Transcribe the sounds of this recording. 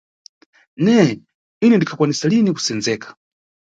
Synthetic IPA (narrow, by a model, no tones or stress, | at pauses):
nɛ | inɛndikʰakwanisaliniku̥sɛnzɛːkḁ